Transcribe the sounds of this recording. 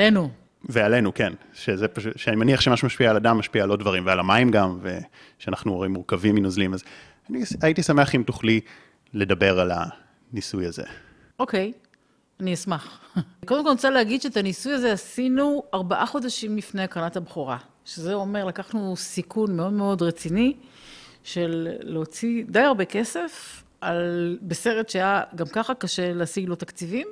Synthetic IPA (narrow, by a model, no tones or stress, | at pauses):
lenu | veale̞nukenʃezepaʃuʃeanimaniaχʃemaʃumaʃpiaːladamːaʃpiaːlo̞d̚dvaʁimvealamaimɡamve | ʃeanaχnuoʁimːuʁkaviminuzlimaz | aniaitisame̞aχimtoχli | le̞dabe̞ʁala̰ | nisujazḛ | o̞ke̞j | aniasmaχkodemkolt͡salehaɡid̪ʃeːt̪anisujazeasinuaʁbaʔaχo̞daʃimbifneakʁanathabχuʁa | ʃezeo̞me̞ʁlakaχnusikunme̞o̞dme̞o̞dʁet͡sini | ʃe̞lːeot͡sidajaʁbe̞ke̞se̞f | albese̞ʁetʃeajaɡamkaχakaʃe̞leasiɡlo̞t̪akt͡sivim